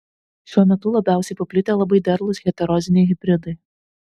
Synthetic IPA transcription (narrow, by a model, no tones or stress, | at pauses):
ʃʲuɔmʲɛt̪ʊlˠɐbʲæˑʊsʲɛɪpɐpʲlʲɪt̪ʲeːlˠɐbɐɪd̪ʲɛɾlˠʊsɣʲɛt̪ʲɛɾɔzʲɪnʲɛɪɣʲɪbʲɾʲɪd̪ɐɪ